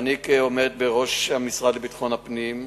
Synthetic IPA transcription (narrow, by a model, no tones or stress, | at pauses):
nikomed̪̚beʁo̞ʃhamisʁad̪lebit̪χo̞napnim